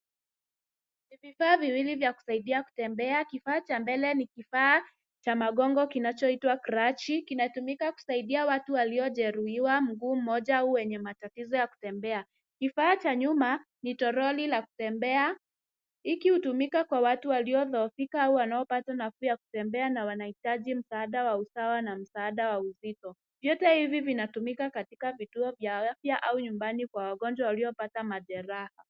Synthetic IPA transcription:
nivifaːviwilivjaku̥saiɗiaku̥tɛmbɛakifaːt͡ʃambɛlɛnikifaː | t͡ʃamaɠɔŋɡɔkinat͡ʃɔitwakɾat͡ʃikinatumikaku̥saiɗiawatuwaliɔʄɛɾuiwam̩ɡuːm̩mɔʄaauwɛɲɛmatatizɔjaku̥tɛmbɛa | kifaːt͡ʃaɲuma | nitɔɾɔlilaku̥tɛmbɛa | ikihutumikakwawatuwaliɔðɔːfikaauwanaɔpatanafujaku̥tɛmbɛanawanahitaʄim̩saːɗawausawanam̩saːɗawauzitɔ | vjɔtɛhivivinatumikakatikavituɔvjaafjaʔauɲumbanikwawaɠɔnd͡ʒwawaliɔpatamaʄɛɾaha

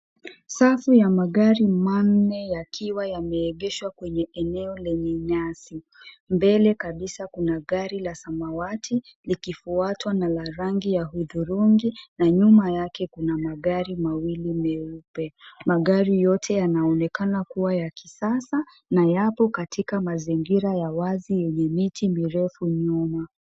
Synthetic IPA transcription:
safujamaɠaɾimannɛjakʰiwajamɛːɠɛʃwakwɛɲɛʔɛnɛɔlɛɲɛɲasi | mbɛlɛkaɓisakunaɠaɾilasamawatʰi | likifuatwanalaɾaŋɡijahuðuɾuŋɡinaɲumajakɛkunamaɠaɾimawilimɛupɛmaɠaɾijɔtʰɛjanaɔnɛkanakuwajakisasa | najapɔkatikamaziŋɡiɾajawazijɛɲɛmitimiɾɛfuɲuma

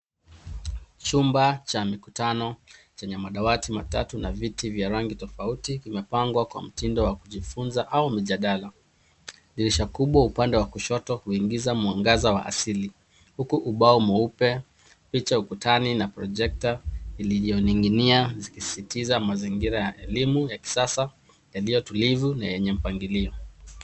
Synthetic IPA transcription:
t͡ʃumbat͡ʃamikutanɔt͡ʃɛɲɛmaɗawatimatatunavitivjaɾaŋɡitɔfautikimɛpaŋɡwakwa̰m̩tindɔwakuʄifunzaʔaumiʄaɗala | ɗiɾiʃakuɓwaupandɛwakuʃɔtɔhuiŋɡizamuaŋɡazawa̰ʔa̰sili | hukuʔuɓaɔmɔupɛ | pit͡ʃaukutaninapɾɔʄɛk̚tailiʄiɔniŋɡiniazikisi̥sitizamaziŋɡiɾajaʔɛlimujaki̥sasa | jalijɔtulivunajɛɲɛm̩paŋɡiliɔ

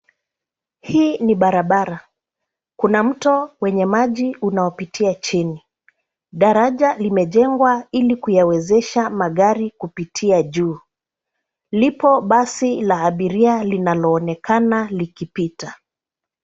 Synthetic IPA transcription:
hiːniɓaɾaɓaɾa | kunam̩tɔwɛɲɛmaʄiunaɔpitʰiat͡ʃini | ɗaɾaʄalimɛʄɛŋɡwailikujawɛzɛʃamaɠaɾikupitʰiaʄuː | lipɔɓasilaːɓiɾialinalɔːnɛkanalikipita

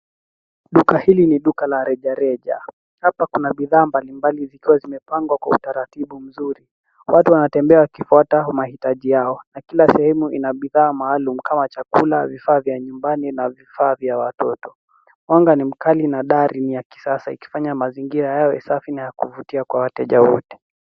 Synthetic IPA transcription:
ɗukahiliniɗukalaɾɛʄaɾɛʄa̰ | hapakunaɓiðaːmbalimbalizikiwazimɛpaŋɡwakwa̰ṵtaɾatiɓum̩zuɾi | wʔatuwanatɛmbɛawakifuatamahitaʄijaɔnakilasɛhɛmuʔinaɓiðaːmaːlumukʰamat͡ʃakulavifaːvjaɲumbaninavifaːvjawatɔtɔ̥ | waŋɡanim̩kalinaɗaɾinijaki̥sasaḭki̥faɲamaziŋɡiɾajawɛsafinajakuvutiakwawatɛʄawɔ̰tɛ̥

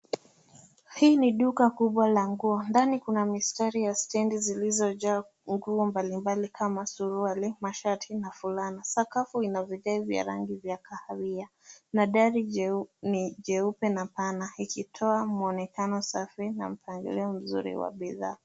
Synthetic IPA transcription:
hiːniɗukakuɓwalaŋɡuɔndanikunamistaɾijastɛndizilizɔʄa | ŋɡuɔmbalimbalikʰamasuɾualimaʃatʰinafulanasakafuinavjɔʄaivja̰ɾa̰ŋɡivjakʰahawia | naɗaɾiniʄɛupɛnapanaikitʰɔamuɔnɛkanɔsafina̰m̩paŋɡɛ̰lɛɔm̩zṵɾḭwa̰ɓiða̰ː

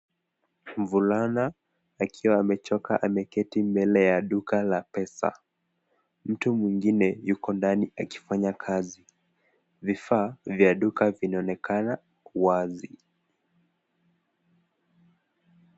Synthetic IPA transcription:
m̩vulanaː | kʰiwaːmɛt͡ʃɔka̰ʔamɛkɛtimbɛlɛjaɗukalapɛsa̰ | m̩tumwiŋɡinɛjukɔndaniaki̥faɲakʰazi | vifaːvjaɗukavinaɔnɛkʰana | uwazi

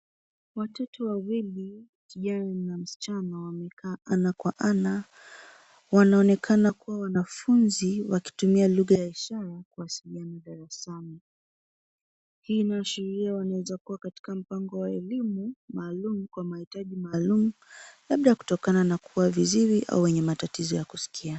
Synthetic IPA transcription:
watɔtɔwawili | kiʄananam̩si̥t͡ʃanawamɛkʰaːʔanakwaʔana | wanaɔnɛkʰanakuwawanafunziwaki̥tumialuɣajaiʃaɾakuasilianaɗaɾasani | hiːnaʃɛɾiawanawɛzakuwakati̥kam̩paŋɡɔwaɛlimumaːlumukwamahitaʄimaːlumulaɓɗajaku̥tɔkananakʰuwaviziɾiʔa̰uwɛɲɛmatatizɔjakusi̥kʰia

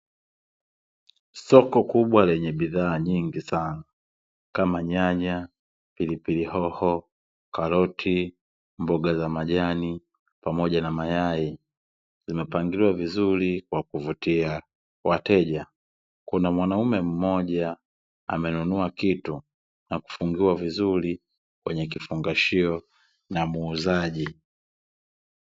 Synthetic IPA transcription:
sɔkɔkuɓwalɛɲɛbiðaːɲiŋɡisana | kamaɲaɲa | pilipilihɔhɔ | kalɔtʰi | mbɔɡazamaʄani | pamɔɟanamajai | z̥imɛpaŋɡiliwavizulikwakuvutia | watɛʄa | kunamwanaumɛm̩mɔʄa | a̰mɛnunuakitu | naku̥fuŋɡiwavizuli | kwɛɲɛk̬ifuŋɡaʃiɔ | namuːzaʄi

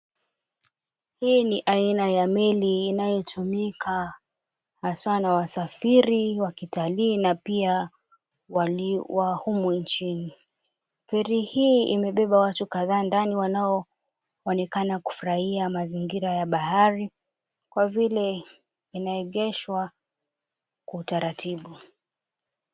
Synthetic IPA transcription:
hiːniʔainajamɛliːnajɔtʰumikʰa | haswanawasafiɾiwakitaliːnapia | waiwahumunt͡ʃini | fɛɾihiːḭmɛɓɛɓawatukaðaːndaniwanaɔ | ɔnɛkanaku̥fuɾahiamaziŋɡiɾajaɓahaɾi | kwavilɛ | inaɛɠɛʃwa | kwautaɾatʰiɓu

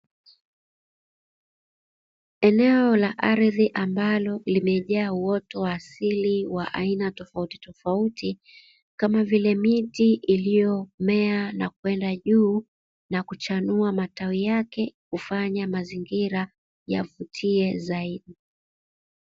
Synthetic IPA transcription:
ɛnɛɔlaʔaɾðiʔambalɔlimɛʄaːuɔtɔwaːsiliwaʔainatɔfauti̥tɔfauti | kamavilɛmitiʔilijɔmɛanakwɛndaʄuː | nakut͡ʃanuamatawijakɛkufaɲamaziŋɡiɾa | ja̰vutʰiɛzaiɗi

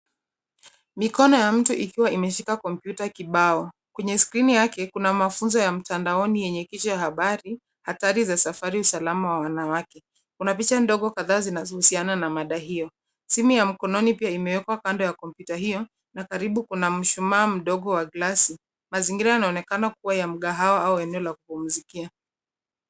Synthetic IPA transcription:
mikɔnɔjam̩tuʔikiwaimɛʃikakɔmpjutakiɓaɔ | kwɛɲɛskɾinijakɛkunamafunzɔjam̩tandaɔnijɛɲɛkit͡ʃɔjahaɓaɾi | hataɾizasafaɾiusalamawawanawakɛ | kunapit͡ʃandɔɠɔkaðaːzinazɔhusiananamaɗaɦijɔ | simujam̩kɔnɔnipiaimɛwɛkwakandɔjakɔmpjutaɦijɔ | nakaɾiɓukunam̩ʃumaːm̩ɗɔɠɔwaɡlasi | maziŋɡiɾajanaɔnɛkanak̚uwajam̩ɠaɦawaauɛnɛɔlakupum̩zikia

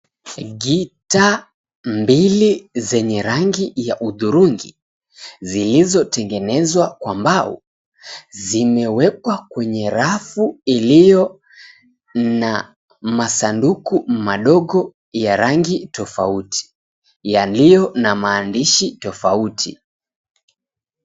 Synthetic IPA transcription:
ɠita | mbilizɛɲɛɾaŋɡijaʔuðuɾuŋɡḭ | zilizɔtɛŋɡɛnɛzwakwambaṵ | zimɛwɛk̚wakwɛɲɛɾafuilijɔ | na | masandukumaɗɔɠɔ | jaɾaŋɡitɔfautʰi̥ | jalijɔnamaːndiʃitɔfautʰḭ

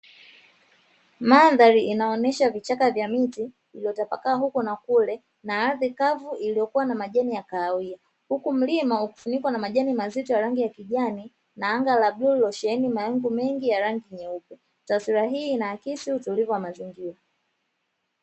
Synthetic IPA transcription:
maðaɾiʔːnaɔnɛʃavit͡ʃakavjamitiː | liɔtapa̰kaːɦukɔnakulɛ | naaðikavuʔilijɔkuwanamaʄanijakaːwia | hukum̩limauku̥funikwanamaʄanimazitɔjaɾaŋɡijakiʄani | naaŋɡalablullɔʃɛɛnimaɛŋɡumɛŋɡijaɾaŋɡiɲɛukɛ | tasiɾaɦiːnaakisiutulivuwamaziŋɡiɾa

